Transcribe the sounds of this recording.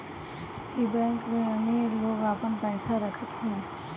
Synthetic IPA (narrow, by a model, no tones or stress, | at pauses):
ibɛ̃ːŋkmẽɐneloːɡaːpənpɛːt͡ʃʰaɾəkʰət̪ɦɛ̃ː